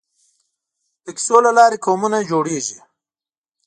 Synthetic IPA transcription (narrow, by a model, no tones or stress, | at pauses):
t̪əksolalɑːɾikoːmunad͡ʒoːɽeːʒi